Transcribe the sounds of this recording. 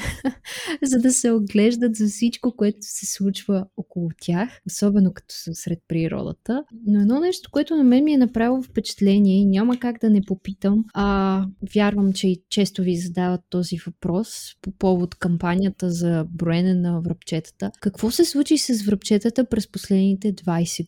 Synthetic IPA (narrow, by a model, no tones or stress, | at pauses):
zɐd̪ɐsɛod̪ɡlɛʒd̪ət̪zɐfsit͡ʃkokoɛt̪o̥sɛslˠut͡ʃvəɔkolˠʊt̪ʲjaxosɔbɛnokɐ̥t̪ɔ̥səsɾɛt̪̚pɾiɾɔ̰d̪ə̰t̪ənoɛd̪nɔnɛʃt̪o̥koɛt̪ʊnɐmɛnmiɛnɐpɾavilˠofpɛt͡ʃɛ̥t̪lɛniɛinʲaməkaɡd̪ɐnɛpopit̪əməvʲjaɾvəmt͡ʃɛit͡ʃɛst̪ovizɐd̪avɐt̪ːɔzivɐpɾɔspopɔvot̪kɐmpanʲijət̪əzɐbɾoɛnɛnɐvɾɐpt͡ʃɛt̪ə̥t̪əkɐkvɔsɛslˠut͡ʃisɐsvɾɐpt͡ʃɛt̪ət̪əpɾɛsposlɛd̪nit̪ɛd̪vajsɛ